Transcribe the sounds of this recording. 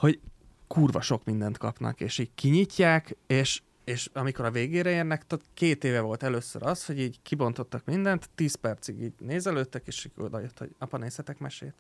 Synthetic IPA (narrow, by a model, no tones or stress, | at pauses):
ho̞ɟ | kuːrvɒ̰ʃo̞kmind̪ɛnt̪kɒpnɒ̰keːʃiːɟkiɲicːaːkeːʃ | eːʃɒmiko̞ɾɒveːɡeːɾɛeːrnɛkt̪ɒkeːt̪eːvɛvo̞lt̪ɛløːsø̰ɾɒsho̞ɟiːɟkʰibo̞nt̪o̞t̪ːɒkmind̪ɛnt̪ːiːspɛrt̪siɡiːɟneːzɛløːt̪ːɛkeːʃiːɟo̰d̪ɒ̰jøt̪ho̞̰ɟɒpɒneːshɛt̪ɛkmɛʃḛːt̪